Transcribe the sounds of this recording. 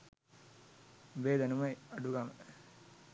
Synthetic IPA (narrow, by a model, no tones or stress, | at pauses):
ʋeːd̪ɐnumɐjɐɖuɡamə